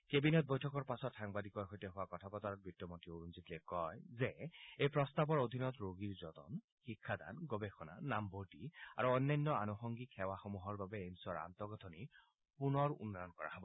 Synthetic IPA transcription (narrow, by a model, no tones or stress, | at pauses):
kebinɛt̚bɔjtʰɔkɔɹpasɔtxaŋbadikɔɹxojtɛɦʊwakɔtʰapɔtaɹɔt̚bitːɔmotioɹunzitlɛkɔjzɛejpɹɔst̪abɔɹod̪ʱinɔtɹoɡiɹzɔt̪ɔ̰n | xikʰːad̪a̰nɡɔbexɔna̰namboɹtia̰ɹuɔnːajnːɔanɔxɔŋɡikʰːɛwaxɔmuɦɔɹbabɛːmsɔɹa̰nt̪ɔɡɔt̪ʰɔni | punɔɹṵnːaɔnkɔɹa̰ɦɔbɔ